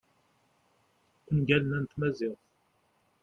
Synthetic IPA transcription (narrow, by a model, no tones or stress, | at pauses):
unɡælənænt̪mæzɪθ